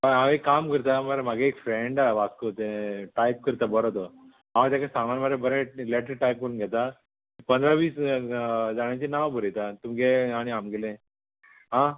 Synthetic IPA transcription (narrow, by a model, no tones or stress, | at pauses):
əãʋekamkəɾt̪amaɾm̤aɡeːkfɾeɳɖaʋaskot̪eʈajp̚kəɾt̪abəɾot̪ə | ɦãʋẽt̪jakasãŋɡanməɾebəɾɛ̃leʈəɾʈajp̚kəɾunɡʱɛt̪a | ipənd̪ʱɾaʋiːs | d͡zaɽ̃jat͡ɕinaʋbʱəɾet̪at̪umɡeaɽ̃iamɡɛlẽ | ɦã